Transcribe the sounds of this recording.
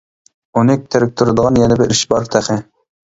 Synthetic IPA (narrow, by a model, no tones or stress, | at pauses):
unɪk̚ʲt̪ʰeɾɪk̚ʲt̪ʰuɾɨd̪əʁɑnjɛnɪbɪɾiʃbɑɾt̪ʰæχɪ